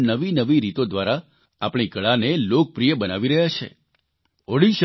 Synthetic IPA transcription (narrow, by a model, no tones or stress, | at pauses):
nəʋinəʋiɾit̪od̪ʋaɾa | a̰pɳ̃ikəɭanelok̚pɾijəbənaʋiɾəɦjat͡ʃʰḛ | oɽiʃ